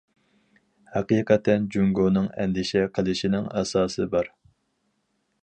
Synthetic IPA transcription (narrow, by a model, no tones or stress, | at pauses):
hæqijqʰɛt̪ʰɛnd͡ʒyŋɡonɨŋɛ̰nd̪ɪʃɛqʰəlˠɨʃinɪŋɛsɑːsɨbɑɾ